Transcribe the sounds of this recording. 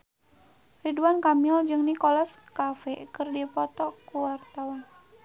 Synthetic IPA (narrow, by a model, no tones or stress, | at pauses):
riduankamild͡ʒɨŋnikɔlɔskafɛkɨrdipɔt̪ɔkuwart̪awan